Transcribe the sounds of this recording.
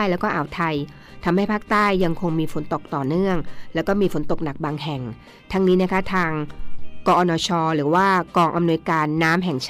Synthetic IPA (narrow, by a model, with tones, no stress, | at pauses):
jlɛː˦˥wkɔː˥˩ʔaː˨˩˦wt̪ʰa˧j | t̪ʰa˧mha˥˩jpʰaː˥˩k̚t̪aː˥˩jːa˧ŋkʰo˧ŋmiː˧fo˨˩˦nt̪o˨˩k̚t̪ɔː˨˩nɯ˥˩əŋlɛː˦˥wkɔː˥˩miː˧fo˩˦nt̪o˨˩k̚na˨˩k̚baː˧ŋɦɛ˨˩ŋ | t̪ʰa˦˥ŋniː˦˥na˦˥kʰa˦˥t̪ʰaː˧ŋkɔː˧ʔɔː˧nɔː˧t͡ɕʰɔː˧ɾɯː˩˦waː˥˩kɔː˧ŋʔa˧mnu˧əjkaː˧nːaː˦˥mɦɛ˨˩ŋt͡ɕʰ